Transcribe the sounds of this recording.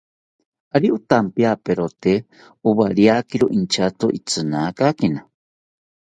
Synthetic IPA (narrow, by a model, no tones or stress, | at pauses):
aɾiʔut̪ampiapeɾot̪e | uβaɾiakiɾoʔint͡ʃat̪oʔit͡sɨnakakina